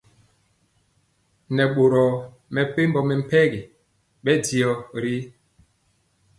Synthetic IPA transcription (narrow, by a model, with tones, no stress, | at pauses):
nɛ˨ɓo˨ɾɔ˨ | mɛ˨pe˦m˦bɔ˨mɛ˨m̩˨pɛ˦ɡi˨ | ɓɛ˦di˨ɔ˨ɾi˦